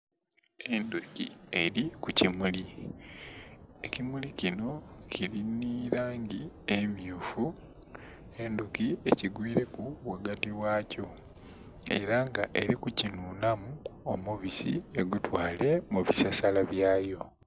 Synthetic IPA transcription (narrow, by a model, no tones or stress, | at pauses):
e̞ndukie̞ɾikucimuli | ecimulicino̞ciɾiniɾaːŋɟiemjuːfu | e̞ndukieciɡwiːɾe̞kuwaɡatiwaːco̞ | e̞̰ɾaŋɡaʔe̞ɾikucinuːnamuomuβisḭeɡutwaːle̞muβisasalaβjaːjo̞